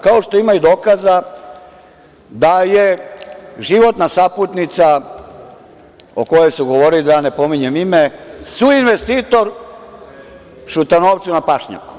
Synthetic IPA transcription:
kao̞ʃt̪o̞imajud̪o̞ːkaza | d̪aje̞ | ʒiʋo̞t̪nasaput̪nit̪sa | o̰ko̞jojsuɡo̞ʋo̞ɾilid̪ane̞po̞miɲemimesuinʋe̞st̪iːt̪o̞ɾ | ʃut̪anoːʋt̪sunapaʃɲa̰ku̥

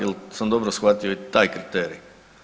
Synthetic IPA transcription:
ɛlsamd̪obɾosxʋat̪ioit̪aːjkɾit̪eːɾḭ

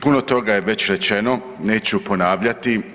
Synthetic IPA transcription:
punot̪o̞ɡajeʋe̞t͡ɕɾet͡ʃe̞no̞ | ne̞ːt͡ɕupo̞naːʋʎat̪i

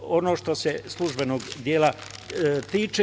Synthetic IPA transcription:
ono̞ːʃt̪o̞seslˠuʒbenoːɡd̪jeːla | t̪iːt͡ʃe

